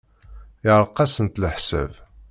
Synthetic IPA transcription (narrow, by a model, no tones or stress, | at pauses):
ɪʕɾˤqːɑsənt̪ləħsæ̰v